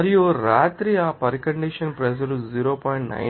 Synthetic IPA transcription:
ɐɾijuɾaːt̪ɾiaːpɐɾikɐɳɖiʃɐnpɾɐd͡ʒɐɾuziːɾoːpɔːjɳʈnɐ̰j

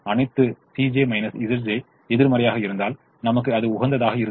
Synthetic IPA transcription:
ɐɳɐɪt̪ːɯsiːd͡ʒeːmɐɪnɐsɪsɐɾd͡ʒɐ | ɛðɪɾmɐɾɐjaːɣɐɪɾɯnd̪aːl | nɐmɐk̬ːɯɐðɯʊɣɐnd̪ɐðaːɣɐɪɾɯ

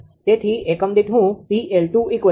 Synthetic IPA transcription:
t̪et̪ʰiekəmd̪it̪ɦũp̪ielʈuikʋə

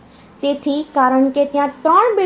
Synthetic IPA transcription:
set̪ʰikaːɾəɳ̃ket̪ɪjãt̪ɾəːɳ̃be

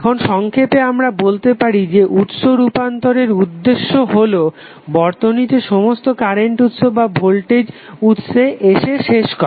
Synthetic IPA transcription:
ɛkʰonʃɔŋkʰepeamɾabolt̪epaɾid͡ʑeʔut̪ʃoɾupant̪oɾeɾud̪ːeʃːoɦolo | bɔɾt̪onit̪eʃɔmost̪okaɾeɳʈut̪ʃobabʱolʈed͡ʑut̪ʃeʔeʃeʃeʃkɔɾ

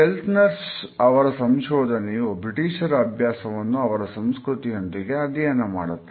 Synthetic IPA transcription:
elt̪nɐɾsɐʋɐɾɐsɐmʃɔːd̪ʱɐnɛjubɾiʈiːʃɐɾɐbʱjaːsɐʋɐnːuɐʋɐɾɐsɐmskɾut̪iɐnt̪iɡeɐd̪ijɐnɐma̰ːɽut̪ːe

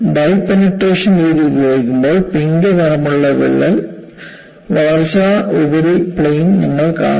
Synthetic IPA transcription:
ɖɐjpːɐnɐʈːeːʂɐnʋiːðibjoːjikʲːumboːɭpiŋɡɐʋɐɾɐmuɭːɐʋḛɭːɐl | ʋɐrɕaːubɐɾipɭejnnɐŋːɐɭka̰ː

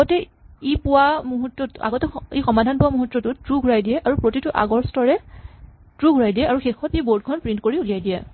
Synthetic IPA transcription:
aɡɔtɛ | ipʊwamuɦutːɔtʔa̰ɡɔtɛixɔmadʱanpʊwamuɦutːɔtʊtɹuɡʱuɹajdiɛʔaɹupɹotitʊʔa̰ɡɔɹstɔɹɛ | tɹuɡʱuɹajdijɛaɹuxexɔteboɹd̚ɡʰʱɔnpɹintkoɹiulijajdijɛ̰

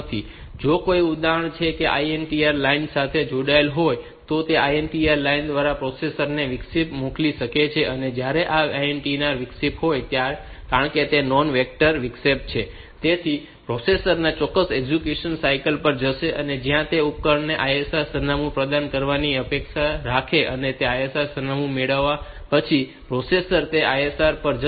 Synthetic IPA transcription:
t̪ʰi | d͡ʒokoiud̪aəɳ̃t͡ʃʰekeʔa̰ienʈiaɾlainsat̪ʰed͡ʒoɽaelɦoj | t̪ot̪eʔajenʈiaɾlaind̪ʋaɾapɾosesəɾneʋɪksipmukliʃəket͡ʃʰeʔəned͡ʒjaɾeʔaaenʈinaɾʋɪksipɦojt̪jaɾ | kaɾəɳket̪enɔnʋek̚ʈəɾʋɪksep̚t͡ʃʰe | t̪et̪ʰi | pɾosesəɾnat͡ʃɔkːəseɡd͡ʒukjuʃənsaikəlpəɾd͡ʒəʃeʔəned͡ʒjãt̪eup̚kəɾneʔajesaɾsənamũpɾəd̪ankəɾʋaniəpekʃaɾakʰeʔənet̪eajesaɾsənamũmeɭəʋːa | pət͡ʃʰi | pɾosesəɾt̪eʔajesaɾpəɾd͡ʒ

